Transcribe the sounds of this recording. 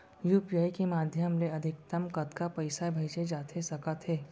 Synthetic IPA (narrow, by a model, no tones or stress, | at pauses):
juːpijaːikemaːd̪ʱjəmleɐd̪ʱɪk̚t̪ɐmkɐt̪kapɐɪsabʱɐɪd͡ʒed͡ʒaːt̪ʰesɐkət̪ɦeː